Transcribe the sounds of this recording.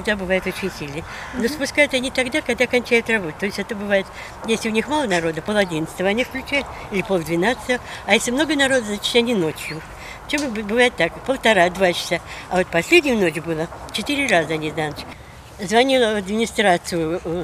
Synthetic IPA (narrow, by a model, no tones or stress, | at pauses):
t̪ɡd̪abɨvajɪt̪o̞t͡ɕɪnʲsʲilʲnə | nospʊskajʊt̪ɐnʲit̪ɐɡd̪akɐɡd̪akɐnʲt͡ɕæjʊt̪rɐbo̞t̪̚t̪o̞ɪsʲɛt̪əbɨvajɪt̪ | jesʲlʲɪʊnʲixmalˠənɐɾo̞d̪əpolˠɐdʲint̪st̪əvəɐnʲifklʲʉt͡ɕæjɪt̪ | ilʲɪpolˠd̪vʲɪnat̪sɨ̥t̪əvəɐjesʲlʲɪmno̞ɡənɐɾo̞d̪əznat͡ɕɪ̥t̪ɐnʲinot͡ɕjʊ | ft͡ɕembbɨvajɪt̪ːakpəlˠt̪ɐɾad̪vat͡ɕɪ̥saɐvo̞t̪̚pɐsʲlʲedʲnʲɪjʊno̞t͡ɕʲʊbɨlˠət͡ɕɪt̪ɨɾʲɪrazəɐnʲiznanət͡ɕ | zvɐnʲilˠəɐd̪mʲɪnʲɪst̪ɾat̪sɨjʊ